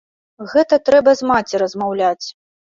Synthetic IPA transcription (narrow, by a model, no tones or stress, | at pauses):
ɣɛt̪ɐt̪ɾɛbɐzmat͡sʲiɾɐzmawlʲat͡sʲ